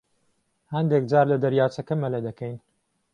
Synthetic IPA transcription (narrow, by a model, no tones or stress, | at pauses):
hɐnd̪ek̚d͡ʒaːɾlɐd̪ɐɾjaːt͡ʃɐkɐmɐled̪ɐkɛjn